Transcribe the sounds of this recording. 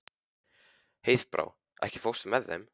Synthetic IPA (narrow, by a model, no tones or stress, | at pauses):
hejθpɾʔa̰ːw | ʔɛ̰hcɪ̥fowst̪mɛðːḛm